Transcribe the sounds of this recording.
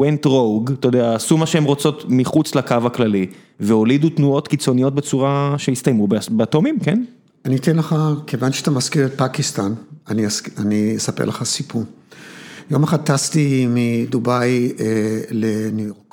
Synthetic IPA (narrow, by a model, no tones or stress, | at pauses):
wentʁowɡt̪ojodeasumaʃeemʁot͡so̞tmiχut͡slakavaklali | veo̞lidutnuo̞tkit͡so̞nijo̞t̚be̞t͡suʁaʃeist̪ajmubbeato̞mimke̞n | anit̪enleχakʰevanʃeat̪amaskiʁet̚pakist̪ananiasaniesapḛleχasipu | jomeχad̪̚t̪ast̪imidubajelenujoʁk